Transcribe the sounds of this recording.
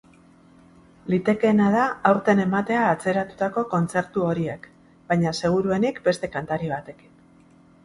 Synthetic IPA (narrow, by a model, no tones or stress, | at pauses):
lit̪e̞ke̞nað̞aawɾt̪e̞ne̞mat̪e̞aːt͡se̞ɾat̪u̥t̪ako̞ko̞nt͡se̞ɾt̪uo̞ɾie̞k | b̥ajɲase̞ɣ̞uɾue̞nikbe̞st̪e̞kant̪aɾiβat̪e̞ki̥n